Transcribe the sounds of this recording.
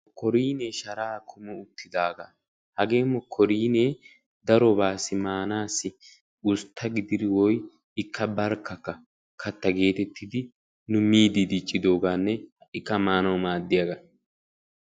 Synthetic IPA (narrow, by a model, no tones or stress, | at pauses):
kɔɾiːneːʃɐɾaːkʰʊmɛʊt̪ːɪd̪aːɡɐ̰ | hɐɡe̞ːmːɔkʰːɔɾiːneː | d̪ɐɾɔbaːsɪmaːnaːsːɪ | ʊst̪ʰːɐɡɪd̪ɪd̪ɪwɔj | ɪkʰːɐbɐɾkːɐkːɐ | kʰɐt̪ːɐɡe̞ːt̪ɛt̪ːɪd̪ɪ | nʊmiːd̪id̪it͡ʃʼːɪd̪o̞ːɡaːnːɛɪkːɐmaːnɐwmaːd̪ːɪjɐɡɐ